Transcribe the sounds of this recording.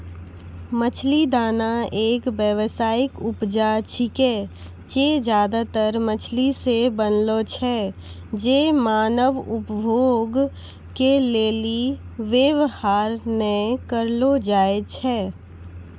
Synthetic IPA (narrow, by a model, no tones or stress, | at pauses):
mət͡ʃʰlid̪aːnaeːkbjəʋsaːɪkʊpd͡ʒat͡ʃʰike | t͡ʃed͡ʒjaːd̪at̪əɾmət͡ʃʰlisebənlot͡ʃʰɛ | d͡ʒeːmaːnəʋʊpbʱoːɡ | keleːliʋjeʋhaːɾnɛkəɾlod͡ʒaːet͡ʃʰɛː